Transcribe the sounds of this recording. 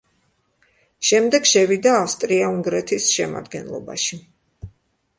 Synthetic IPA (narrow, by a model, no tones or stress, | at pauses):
ʃɛmd̪ɛɡʃɛvid̪aːfst̪ʼɾiauŋɡɾɛt̪ʰisʃɛma̰d̪ɡɛnlˠɔ̰ba̰ʃi